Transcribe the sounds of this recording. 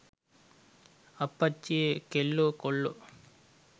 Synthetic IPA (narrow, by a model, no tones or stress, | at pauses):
ɐpːɐt͡ʃːiekeɭːukoɭːu